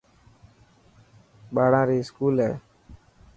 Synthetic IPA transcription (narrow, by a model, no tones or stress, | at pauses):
ɓaːɽãːɾiːskuːlɦɛ̰ː